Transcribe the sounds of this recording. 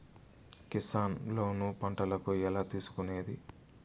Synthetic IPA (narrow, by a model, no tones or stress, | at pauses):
kisaːnloːnupɐɳʈɐlɐkuɛlaːt̪iːsu̥kune̞ːd̪i